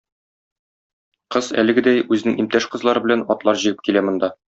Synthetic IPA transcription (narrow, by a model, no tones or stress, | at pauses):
qɤzæ̰lɘ̆ɡɘ̆d̪æjʉzɘnɘŋimt̪æʃqɤ̆zlˠɑɾɤbɘ̆lænɒt̪lˠɑɾʑĭɡɘp̚kilæmɤ̆nd̪ɑ